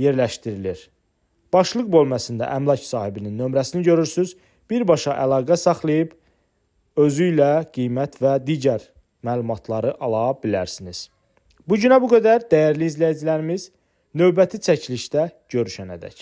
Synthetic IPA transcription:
je̞ɾlæʃt̪iɾiliɾ | b̥ɑʃlˠɯɣbo̞lˠmæsind̪æ̰ʔæmlˠɑcsɑːhibininːø̞mɾæsiniɟø̞ɾyɾsyz | b̥iɾbɑʃɑʔælˠɑːɡæsɑχlˠɯjɯb | ø̞zyjlæɡ̥ijmæt̪ʰvæd̪iːɟæɾ | mæːlˠumɑt̪ʰlˠɑɾɯʔɑlˠɑbilæɾsiniz̥ | buɟynæbuɡæd̪æɾd̪æjæɾliːzlæjid͡ʒilæɾimiz̥ | nø̞vbæt̪ʰit͡ʃʰæcʰiliʃt̪æɟ̥ø̞ɾyʃænæ̰d̪æ̰c

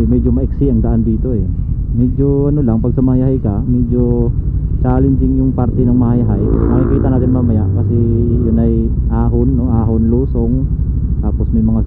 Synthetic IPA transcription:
mɛd͡ʒomɐʔɛksɪɐŋd̪ɐʔand̪iːt̪o̞ʔɛ | mɛd͡ʒoʔɐnolaŋpɐɡ̚sɐmajaɦajkamɛd͡ʒo | d̪aːlɪnd̪ɪŋjʊŋpaɾt̪ɛnɐŋmɐhajaɦajmɐŋɪpiːt̪ɐnaːt̪ɪnmaːmɐjaʔkɐsɛjʊnɐjʔaːɦonːoŋʔaːɦonluːsoŋ | t̪aːposmɐjmɐŋa

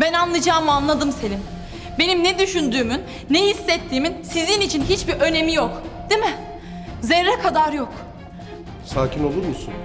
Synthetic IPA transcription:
bænanlˠɯd͡ʒaːmɯanlˠad̪ɯmse̞lʲim | be̞nimnɛd̪yʃynd̪yːmynːɛhisːɛt̪ʰːiːminsizinit͡ʃʰinɦit͡ʃbiʔø̞ne̞mijokd̪̥emɪ | zeɾːɛkʰad̪aɾjok | saːcʰʲino̞lˠuɾmusun

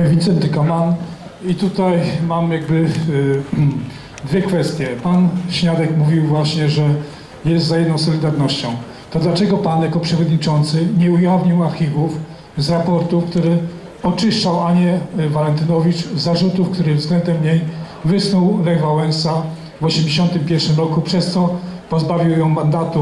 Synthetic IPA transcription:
vʲit̪sɛnt̪ɘkaman | it̪ut̪ajmamjaɡ̚bɘ | d̪vʲjɛkfɛst̪ʲjɛpanɕɲad̪ɛkmuvʲiwvwaɕɲɛʐɛ | jɛst̪zajɛd̪nɔ̃w̃sɔlʲid̪aɾnɔɕt͡ɕɔ̃w̃ | t̪ɔd̪lat͡ʂɛɡɔpanjakɔpʂɛvɔd̪ɲit͡ʂɔnt̪sɘɲɛujavɲiwaɾxʲivuf | zɾapɔɾt̪ufkt̪uɾɘ | ɔt͡ʂɘʂt͡ʂawaɲɛvalɛnt̪ɘnɔvʲit͡ʂzːaʐut̪ufkt̪uɾɘvzɡlɛnd̪ɛmɲej | vɘsnɔwlɛɡvawɛnsa | vɔɕɛmd͡ʑeɕɔnt̪ɘmpʲjɛɾʂɘmɾɔkupʂɛst̪sɔpɔzbavʲiwjɔ̃w̃mand̪at̪u

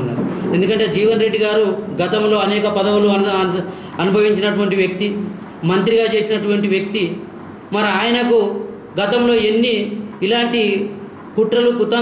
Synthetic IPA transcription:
nːa̰ːɾue̞nd̪ukɐɳʈe̞ːd͡ʒiːʋɐnɾe̞ɖːiɡaːɾuɡɐt̪ɐmlo̞ːɐnɛːkɐpɐd̪ɐwuluɐ | ɐnubʱɐʋiɲt͡ʃinɐʈuʋɐɳʈiʋjɐk̚t̪i | mɐnt̪ɾiɡaːt͡ʃe̞ːsinɐʈuʋɐɳʈiʋjɐk̚t̪i | mɐɾiaːjɐnɐku | ɡɐt̪ɐmlo̞ːe̞nːiːlaːɳʈi | kuʈɾɐlukut̪ːɐ

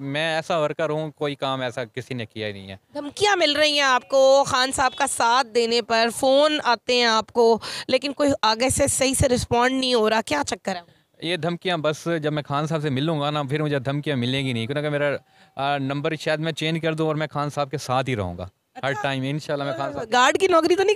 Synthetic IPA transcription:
mɛ̃ːɛːsaʋɐɾkaɾɐɦũkoːikaːmɛːsakɪsinẽkijainɐ̰ɦĩɦɛ̰ːd̪ʱɐmkijãmɪlɾɐɦĩɦɛ̃aːp̚koxaːnsaːb̚kasaːt̪̚ʰd̪eːnepɐɾfoːnaːt̪eɦɛ̃aːpkoleːkɪnkoːiaːɡesesɐɦiseɾɪspãːɳɖnɐɦĩɦoːɾaːkjaːt͡ʃɐkːəɾɛː | jed̪ʱɐmkijãbɐsd͡ʒɐbmɛ̃xaːnsaːbsemɪlːũːɡanapʰɪɾmʊd͡ʒʱed̪ʱɐmkijãmɪlẽːɡinɐɦĩkonakmeːɾa | nɐ̃mbəɾt͡ʃʰɛːd̪mɛ̃t͡ʃeːnd͡ʒkɐɾd̪ũɔːɾmɛ̃xaːnsaːb̚kesaːt̪ʰɦiɾɐ̰ɦũːŋɡa̰ː | ɦɐɖʈaːɪmɪ̃nʃaːlːamɛ̃xaːnsaɡaːɾɖkinɔːkɾit̪onɐ̃

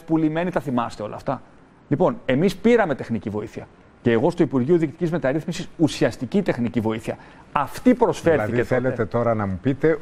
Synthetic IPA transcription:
pulime̞nit̪ɐθimɐst̪e̞o̞lɐ̰ːft̪ɐ | lipo̞ne̞mispiɾɐme̞t̪e̞xnicivo̞iθiɐ | ce̞ːɣo̞st̪uipuɾʝioðikcit̪i̥cʲizme̞t̪ɐɾiθmisisusiɐst̪icit̪e̞xnicivo̞iθiɐ | ɐft̪ipɾo̞sfe̞ɾθieθelet̪et̪o̞ɾɐnɐmupit̪e̞

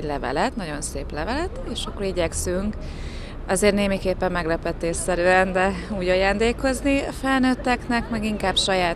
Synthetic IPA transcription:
ɟlɛvɛ̰lɛt̪nɒɟo̞nseːplɛvɛlɛt̪eːʃɒkːoɾiɟɛksyŋk | ɒzeːrneːmikeːpːɛmːɛɡlɛpɛt̪ːeːsɛɾyɛnd̪ɛuːɟɒjaːnd̪eːko̞zniɒfɛlnøːt̪ːɛknɛkmɛɡiŋkaːbʃɒjaːt̪

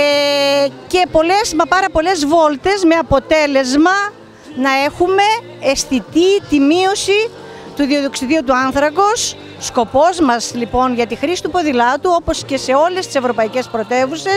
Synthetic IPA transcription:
ce̞po̞le̞smɐpɐɾɐpo̞le̞zvo̞lt̪e̞zme̞ɐpo̞t̪e̞le̞zmɐ | nɐe̞xume̞ː | sθit̪it̪imio̞si | t̪uðio̞ðoksiðiut̪uɐnθɾɐko̞sː | ko̞po̞zmɐslipo̞nʝɐt̪ixɾisi̥t̪upo̞ðilɐt̪uo̞po̞sce̞se̞o̞lest̪i̥se̞vɾo̞pɐice̞spɾo̞t̪e̞vuse̞s

